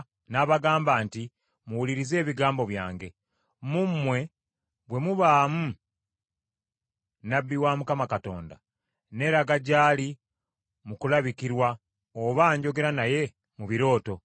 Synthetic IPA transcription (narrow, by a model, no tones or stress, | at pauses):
naβaɡaːmbaːnti | muwuliɾize̞ːβiɡaːmbo̞βjaːŋɡe̞ | mumwe̞ | βwe̞muβaːmu | nabːiwamukamakato̞̰ːnda̰ | ne̞ːɾaɡaɟaːli | mukulaβikiɾwa | oβaːɲɟo̞ɡe̞ɾanaje̞ | muβiɾo̞ːto̞